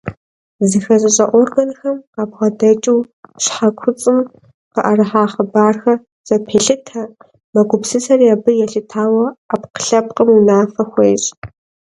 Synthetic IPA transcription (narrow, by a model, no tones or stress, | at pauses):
zɨxɐʑɐɕʼɐʔʷɔrɡɐnxɐmabʁɐdɐt͡ʃʼɪw | ɕħakʷʰʊt͡sʼɨm | qɐʔɐrɨħaːχɐbaːrxɐ | z̥ʼɐpʰeːɬɨtʰɐ | mɐɡʷʊpsɨsʰɐrjaːbɨjɛɬɨtʰaːwɐapqə̥ɬɐp̚qʼəmunaːfɐxʷeːɕʼ